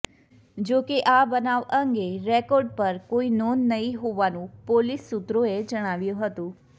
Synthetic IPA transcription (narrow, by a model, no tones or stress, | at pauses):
d͡ʒokeʔabənaʋəŋɡeɾɛkɔɾɖpəɾkoinonːəɦĩɦoʋanũpolisːut̪ɾoed͡ʒəɽ̃aʋjũɦət̪ũ